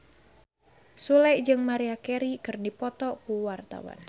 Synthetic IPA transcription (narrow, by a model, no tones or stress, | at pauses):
sulɛjd͡ʒɨŋmaɾiakɛɾikɨrdipɔt̪ɔkuwart̪a̰wa̰n